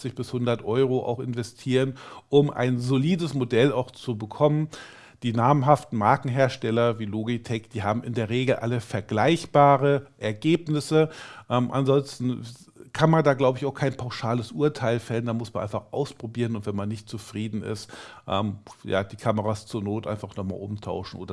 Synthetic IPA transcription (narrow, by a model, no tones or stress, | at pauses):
t͡sɪçb̥ɪshʊndɐtʔɔʏʁ̞oʔa̰ʊxɪnvɛstʰiːʁənʔʊmʔa̰ɪnzoliːdəsmodɛlaʊxt͡subəkʰɔmən | d̥iːnaːməmɦaftn̩maɐkŋ̩ɦeːɐʃtɛlɐviːloːɡitʰɛkd̥iːɦaːbm̩ʔɪ̰ndeːɐʁeːɡl̩ʔa̰ləfɛɐɡlaɪçb̥aːʁəʔɛɐɡeːpnɪsəʔɛːmʔa̰nzɔnstn̩ | kʰanmandaːɡlaʊbəɪçaʊxkʰaɪnpʰaʊʃaːləsʔuːɐtʰaɪlfɛləndanmʊsmanʔaɪnfaχʔa̰ʊspʁ̥obiːʁənʊntvɛnmanːɪçtt͡sufʁ̥iːdn̩ɪ̰stʔɛ̰ːmja̰ːd̥iːkʰaməʁaːst͡suːɐnoːtʔa̰ɪnfaχnɔχma̰ːlʔʊmtʰa̰ʊʃn̩ʔo̰ːdɐ